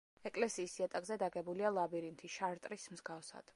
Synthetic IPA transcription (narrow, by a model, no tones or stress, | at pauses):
ɛkʼlɛsiːsiat̪ʼakʼzɛd̪aɡɛbulialˠabiɾint̪ʰiʃaɾt̪ʼɾismzɡafsa̰d̪̥